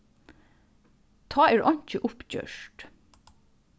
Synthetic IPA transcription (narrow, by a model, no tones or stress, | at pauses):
t̪ʰɑːeːɾʔɔɲc͡çəʔʊpc͡çø̰ːʃʈ